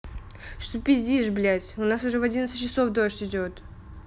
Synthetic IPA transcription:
ʂt̪ʊpʲɪzʲdʲiʐblʲætʲʊnasʊʐɛvɐdʲint̪sɨ̥t͡ɕɪso̞fd̪oʂtʲɪdʲot̪

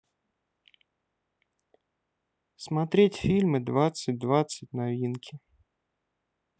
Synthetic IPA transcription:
smɐt̪ɾʲetʲfʲilʲmɨd̪vat̪sɨt̚ʲd̪vat̪sɨt̚ʲnavʲinkʲɪ

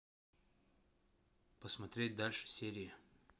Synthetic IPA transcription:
pəsmɐt̪ɾʲetʲd̪alʲʂɨ̥sʲeɾʲɪjɪ

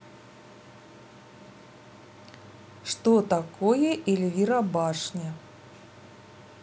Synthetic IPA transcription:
ʂt̪ɔt̪akojɛʔilʲvʲiɾɐbaʂnʲɛ

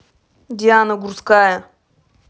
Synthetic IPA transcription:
dʲijaːnɐɡuɾskaːjɐ

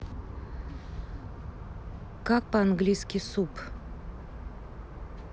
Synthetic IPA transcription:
kak̚pəanɡlʲijskʲɪsup

